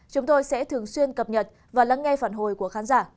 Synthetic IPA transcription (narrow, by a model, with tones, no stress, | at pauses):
t͡ɕʊ˨˦ŋ͡mt̪o˧jsɛ̰˧˥t̪ʰɨ˨˩əŋswi˧ənkə˨˩p̚ɲə˨˩t̚ | vaː˨˩laː˧˦ŋŋɛ˧faː˧˩nɦo˨˩jku˧˩əxaː˨˦nzaː˧˩